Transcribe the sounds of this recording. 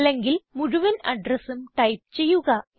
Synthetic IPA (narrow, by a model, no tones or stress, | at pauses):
lːeŋɡilmuɻuʋɐnɐɖrɐsumʈɐjp̚t͡ɕe̞jːuɣɐ